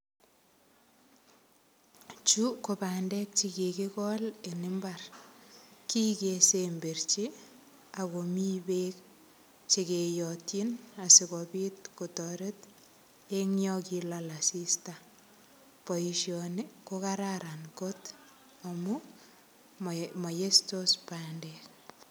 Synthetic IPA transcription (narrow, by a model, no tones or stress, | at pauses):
t͡ʃukobandɛk̚t͡ʃikekikɔlenɪmbar | kikesembeɾt͡ʃi | akomibek | t͡ʃekejɔtinasikɔpit̚kotɔɾet | eŋjɔkilalasista | poiʃjɔnikokaɾaɾankot | amu | majestospandɛk